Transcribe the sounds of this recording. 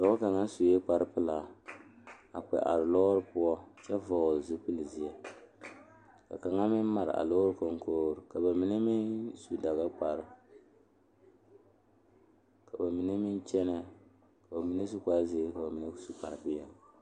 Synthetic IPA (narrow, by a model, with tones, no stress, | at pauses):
dɔ˨˦ka˨ŋa˦nsu˨jɛ˦k͡pa˨ɾɨ˦pɨ˦la˨ | a˨k͡pɛ̰˨ʔa̰˨ɾɨ˨lɔ˦ɾɨ˦pʊ˦ɔ˦t͡ʃɛ˦vɔː˦˨zu˦pɨ˦lɨ˨zi˨ɛ˦ | ka̰˨ka˨ŋa˦mɪ˦n˦ma˨ɾɪ̰˨ʔa̰˨lo˦ɾɨ˦ko˨ŋkoː˦ɾɨ˨ka˨ba˨mi˦ni˦mi˦nsu˨da˨ɣa˦k͡pa˨ɾɨ˦ | ka˨ba˨mi˨ni˦mi˦nt͡ʃɛ˦nɛ˦ | ka˨ba˨mi˨˦ni˦s̬u˦ka˦zi˦e˦ka˨ba˨mi˨ni˦su˦k͡pa˨ɾɨ˨pɪ˦ja˦